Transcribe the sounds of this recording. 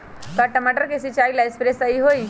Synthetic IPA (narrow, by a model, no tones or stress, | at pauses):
kaʈəmaʈəɾkesit͡ʃailaespɾesəiɦoj